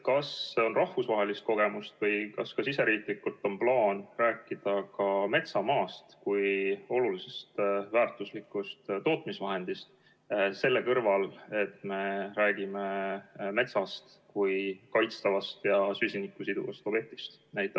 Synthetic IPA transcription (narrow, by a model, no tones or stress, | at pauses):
kɑsːeo̞nrɑhvusvɑɦe̞list̪ko̞ɡ̥e̞must̪vɤjkɑskɑsise̞ɾiːk̪likːˑult̪ˑo̞nplɑːnræːkːˑid̪̥ɑkɑme̞t̪sɑmɑːst̪kujo̞lulise̞st̪væːrt̪ˑuslikːˑust̪t̪ːo̞ːt̪ˑmisvɑɦe̞nd̪̥ist̪ | se̞lːe̞kɤrvɑle̞t̪me̞ɾæːɡ̥imeme̞t̪sɑst̪ | kujkɑjt̪st̪ɑvɑst̪jɑsysʲinikːˑusid̪ṵvɑst̪o̥et̪ːi̥st̪næjt̪ːˑɑ